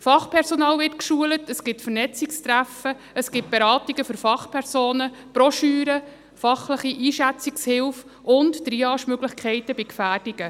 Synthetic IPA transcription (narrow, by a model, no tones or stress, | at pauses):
fɑχpʰɛɾsɔnɑːlvɪtkʃuələtəsɡ̥ɪtfərnɛt͡sɪkst̪ɾæfə | əsɡ̥ɪt̚b̥eɾɑːtiɡəfʏɾfɑχpʰɛɾsoːnə | pɾɔʃyːɾə | fɑχləχiʔiːʃæt͡sɪkshɪlf | ʊntːɾiɑːʃmøɡlɪχkʰɛɪtəbɪkfæːd̥ɪɡə